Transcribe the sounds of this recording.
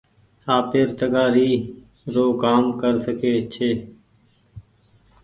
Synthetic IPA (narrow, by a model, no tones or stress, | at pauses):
aːpeːɾt̪əɡaːɾiː | ɾoːkaːmkəɾsəkeːt͡ʃʰeː